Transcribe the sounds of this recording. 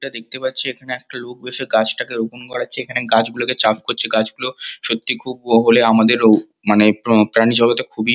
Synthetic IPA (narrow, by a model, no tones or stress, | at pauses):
ʈad̪ek̚t̪epatːɕʰiekʰaneɛk̚ʈalok̚beʃeɡat͡ɕʈakeɾoponkɔɽatːɕʰeekʰaneɡad͡ʑɡuloket͡ɕapkoɾt͡ɕʰeɡad͡ʑɡuloʃot̪ːikʰuboɦoleamad̪eɾ | manepɾanid͡ʑʱɔlot̪ekʰubi